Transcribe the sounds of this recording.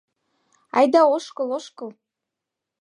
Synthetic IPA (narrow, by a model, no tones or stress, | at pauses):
ɑjd̪ɑoʃkɤ̆lˠoʃkɤ̆lˠ